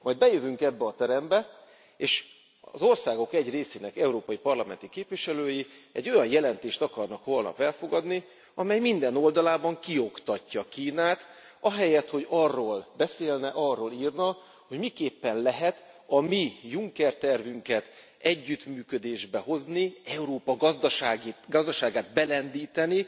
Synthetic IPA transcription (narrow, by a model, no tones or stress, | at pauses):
mɒjd̪̚bɛjøvyŋkɛbːɛɒt̪ɛɾɛmbɛ | eːʃ | zo̞rsaːɡo̞kɛɟreːseːnɛkɛuɾoːpɒjipɒrlɒmɛ̰nt̪ikeːpviʃɛløːjiɛ̰ɟːo̞jɒjjɛlɛnt̪eːʃt̪ɒkɒrnɒkʋo̞lnɒ̰fɛlfo̞ɡɒd̪ni | ɒmɛjmind̪ɛno̞ld̪ɒlaːbɒŋkio̞kt̪ɒcːɒkiːnaːt̪ | ɒɦɛjɛt̪ho̞ɟɒrːoːlbɛseːlnɛʔɒrːoːliːrnɒ | ho̞ɟmikeːpːɛnlɛɦɛt̪ | ɒmijuŋkɛrt̪ɛrvyŋkɛt̪ | ɛɟːyt̪myːkød̪eːʒbɛɦo̞zniɛuɾoːpɒɡɒzd̪ɒʃaːɡɡɒzd̪ɒʃaːɡaːd̪bɛlɛnd̪iːt̪ɛni